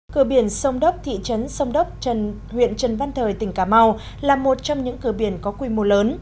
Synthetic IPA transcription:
kɨ˧˩əɓi˧˩ənsə˧wŋ͡mɗə˦˥k͡p̚t̪ʰḭ˧˨t͡ɕə˨˦nsə˧wŋ͡mɗə˦˥k͡p̚n | hwḭ˧˨ənt͡ɕə˨˩nva˧nt̪ʰəː˨˩jt̪ï˧˩ŋ̟kaː˧˩ma˧w | laː˨˩mo˨˩t̚t͡ɕɔ˧wŋ͡mɲɨ̰˧˥ŋkɨ˧˩əɓi˧˩ənkɔ˨˦kwi˧mo˧˩ləː˨˦n

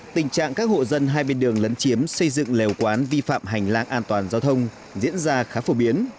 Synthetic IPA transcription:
t̪ï˨˩ŋ̟t͡ɕa̰ː˧˨ŋkaː˦˥k̚ho̰˧˨zə˧nɦaː˧jɓe˧nɗɨ˨˩əŋlə˨˦nt͡ɕi˨˦əmsə˧jzɨ̰˧˨ŋle˨˩wkwaː˨˦nvi˧fa̰ː˧˨mɦa˨˩jŋ̟laː˧ŋʔaː˧nt̪waː˨˩nzaː˧wt̪ʰə˧wŋ͡m | zḭ˧˥ənzaː˧xaː˨˦fo˧˩ɓi˨˦ən

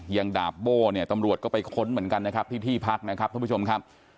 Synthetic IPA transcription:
ja˧ŋdaː˨˩p̚boː˥˩ni˥˩ɐt̪a˧mɾu˨˩ət̪̚kɔː˥˩pa˧jkʰo˦˥nmɯ˩˦ənka˧nːa˦˥kʰa˦˥p̚t̪ʰiː˥˩t̪ʰiː˥˩pʰa˦˥k̚na˦˥kʰa˦˥p̚kʰːt͡ɕo˧mkʰa˦˥p̚

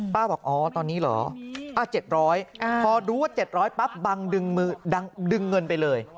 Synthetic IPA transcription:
paː˥˩wbɔː˨˩k̚ʔɔː˧˩t̪ɔː˧nːiː˦˥lɔ̰ː˩˦ʔaː˧˩t͡ɕe˨˩t̪̚ɾɔː˦˥jʔpʰɔː˧duː˦waː˥˩t͡ɕe˨˩t̪̚ɾɔː˦˥jpa˦˥p̚ba˧ŋdɯ˧ŋmɯː˧da˧ŋdɯ˧ŋːɤ˧npa˧jlɤː˧j

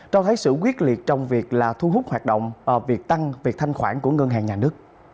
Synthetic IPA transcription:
t͡ɕɔ˧t̪ʰə˨˦jsɨ̰˧˨k̬wi˦˥ət̚li˨˩ət̚t͡ɕɔ˧wŋ͡mvi˨˩ək̚laː˨˩t̪ʰu˧ɦʊ˦˥k͡p̚haː˨˩t̚ɗo̰˧˨wŋ͡mvaː˨˩wvi˨˩ək̚t̪a˧ŋvi˨˩ək̚t̪ʰa˧jŋ̟xwaː˧˩nku˧˩əŋə˧nɦaː˨˩ŋɲaː˨˩nɨ˦˥ək̚

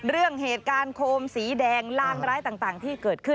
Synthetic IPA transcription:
ɾɯ˥˩əŋheː˨˩t̪̚kaː˧nkʰoː˧msiː˩˦dɛː˧ŋlaː˥˩ŋɾaː˦˥jt̪aː˨˩ŋt̪aː˨˩ŋt̪ʰiː˥˩kɤː˨˩t̪̚kʰɯ˥˩n

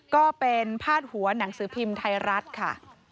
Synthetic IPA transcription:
kɔː˥˩pe˧npʰaː˥˩t̪̚hu˩˦ɐna˩˦ŋsɯː˩˦pʰi˧mt̪ʰa˧jɾa˦˥t̪̚kʰa̰˥˩

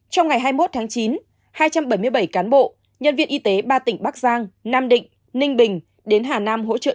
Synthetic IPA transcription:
t͡ɕɔ˧wŋ͡mŋa˨˩jɦaː˧jmo˦˥t̚t̪ʰaː˨˦ŋt͡ɕi˨˦n | haː˧jt͡ɕa˧mɓə˧˩jmɨ˧əjɓə˧˩jkaː˨˦nɓo̰˧˨ | ɲə̰˧˨nvḭ˧ənʔi˧t̪e˨˦ɓaː˧t̪ï˧˩ŋ̟ɓa˦˥k̚zaː˧ŋnaː˧mɗḭ̈˧˨ŋ̟ | nï˧ŋ̟ɓï˨˩ŋ̟ | ɗe˨˦nɦaː˨˩naː˧mɦo̰˧˥t͡ɕə̰ː˧˨

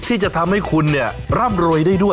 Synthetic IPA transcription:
t̪ʰiː˥˩t͡ɕa˨˩t̪ʰa˧mha˥˩jkʰu˧nːi˥˩ɐɾa˥˩mɾoː˧jda˥˩jdu˥˩ə

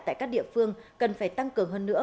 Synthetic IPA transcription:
t̪a̰ː˧˨jkaː˦˥k̚ɗḭ˧˨əfɨ˧əŋkə˨˩nfaː˧˩jt̪a˧ŋkɨ˨˩əŋɦəː˧nːɨ̰˧˥ə

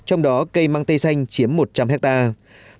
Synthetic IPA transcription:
t͡ɕɔ˧wŋ͡mɗɔ˨˦kə˧jmaː˧ŋt̪ə˧jsa˧jŋ̟t͡ɕi˨˦əmːo˨˩t̚t͡ɕa˧mɦɛ˦˥k̚t̪aː˧

